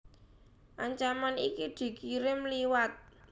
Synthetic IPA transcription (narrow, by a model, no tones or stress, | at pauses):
ʔaɲt͡ʃamanikid̪̥i̤kiɾɪmliwat̪̚